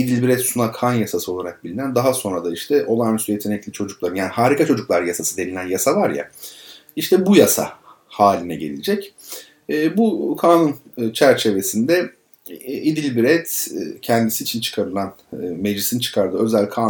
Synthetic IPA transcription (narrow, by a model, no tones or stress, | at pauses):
id̪ilʲbiɾɛt̪sunakʰanjasasɯo̞lˠaɾak̚bilʲinænd̪aɦaso̞nɾad̪aiʃt̪ʰɛʔo̞lˠanysʰyjet̪ʰeɛclʲit͡ʃʰo̞d͡ʒuk̚lˠaɾɯnjaːnihaːɾikʰat͡ʃʰo̞d͡ʒuklˠaɾjasasɯd̪e̞nilʲænjasavaɾja̰ | iʃt̪ʰɛbujasa̰ | haːlʲinɛɟe̞̰lʲid͡ʒɛcː | bukʰaːnunt͡ʃʰæɾt͡ʃʰe̞ve̞sind̪ɛ | id̪ilʲbiɾɛt̪ːcʰɛnd̪isiːt͡ʃʰint͡ʃʰɯ̥kʰaɾɯlˠanː | me̞d͡ʒlʲisint͡ʃʰɯ̥kʰaɾd̪ɯø̞zælʲkʰaː